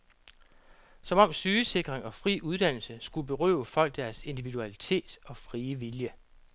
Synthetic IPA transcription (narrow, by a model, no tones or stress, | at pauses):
sɒ̽mɒ̽m̰syːse̝ɡ̥ʁeŋɒ̽fʁḭːʔuð̞ˠd̥æn̰l̩səsɡ̥ub̥e̝ʁœ̰ʊfɒ̽l̰ɡ̥d̥æɐse̝nd̥iʋid̥uælit͡sʰe̝̰ːd̥ɒ̽fʁiːəʋiljə